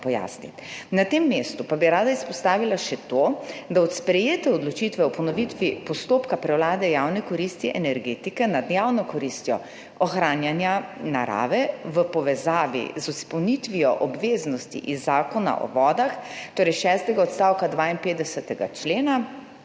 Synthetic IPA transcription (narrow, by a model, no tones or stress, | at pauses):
pɔja̰ːsnḭt̪nat̪emːeːst̪upabiɾaːd̪aispɔst̪aːʋilaʃɛt̪od̪aɔt̪spɾɛjeːt̪ɛɔd̪lɔt͡ʃit̪ʋɛɔpɔnɔʋit̪ʋipɔst̪oːpkapɾɛwlaːd̪ɛjaːwnɛkɔɾist̪iʔɛnɛɾɡeːt̪ikɛnad̪jaːwnɔkɔɾist̪jɔ | ɔxɾaːnjanjana̰ɾa̰ːʋɛʋəpɔʋɛzaːʋḭzuspɔwnit̪ʋiɔʔɔbʋeːznɔst̪ḭʔizːaːkɔna̰ʔɔ̰ʋɔːd̪axt̪oːɾɛjʃɛst̪ɛɡaɔt̪st̪aːwkad̪ʋaːinpeːd̪ɛsɛt̪ɛɡa̰t͡ʃleːna